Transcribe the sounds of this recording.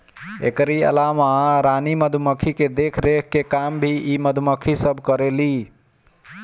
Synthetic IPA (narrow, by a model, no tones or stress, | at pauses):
ḛkɾiə̰lamaɾaniməd̪ʱuməkʰiked̪ekʰɾekʰkekambʱiiməd̪ʱuməkʰisəbʱkəɾeli